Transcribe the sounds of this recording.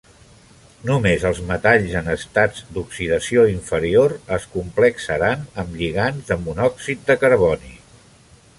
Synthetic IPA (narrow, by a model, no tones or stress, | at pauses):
numezəlˠzmət̪aʎzənəst̪ad͡zd̪uksiðəsioiɱfəɾioɾəskumpləksəɾanəmʎiɣ̞anzðəmunɔksit̪̚d̪əkəɾβ̞ɔni